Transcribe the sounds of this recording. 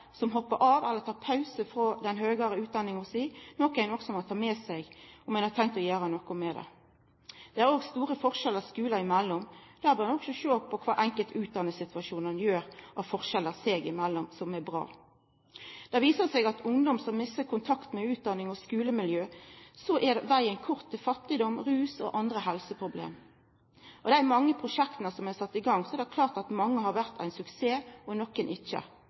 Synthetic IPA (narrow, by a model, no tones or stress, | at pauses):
sɔmɦɔpːəɾʔɑːʋælːəɾt̪ʰɑːpʰɑʉsəfɾod̪ɛnɦøːɡəɾəʉːt̪̚d̪ɑnːɪŋɔsiːnɔkæɪnɔksɔmɔt̪ʰɑːmeːsæɪɡɔmɛnhɑt̪ʰɛŋkt̪ɔjæːɾənɔkʊmɛd̪ɛ̰ | d̪̥ɛæɾoːɡst̪uːʁəfɔʁʃɛlːəʁskʉːlɑɪmælːɔmd̪̥æːbəːʁnɔksɔʃøːpʰɔkʰʋɑ̰ːʔɛŋkəlt̪ʰʉːt̪̚d̪ɑnːəsɪt̪ʰʉɑʃuːnənjøːɾʔɑʋfɔʁʃɛlːəʁseːɡɪmɛlːɔmsɔmæbʁɑ̰ː | d̪̥ɑʋiːsəsɛɡɑt̪ʊŋd̪ɔmsɔmːɪsəkʰʊnt̪ʰɑkt̪mɛʉːt̪̚d̪ɑnːɪŋɔskʉːləmɪljøːsɔʔɛd̪ʋæɪənkʰʊʁt̪ʰːɪlfɑt̪ːɪd̪ɔmʁʉːsɔ̰ʔɑnd̪ʁəɦɛlsəpʰʁʊblḛːm | ʔɔd̪ɛææɾmɑŋːəpʰʁʊʃɛkt̪nəsɔmæɪsɑt̪ːɪɡɑŋːsɔɛɾd̪ɛkʰlɑːʁt̪ɑt̪mɑŋːəhɑɾʋæʁt̪ʰæ̰ɪnsʉkseːɔnɔkənʔɪt͡ʃːə̰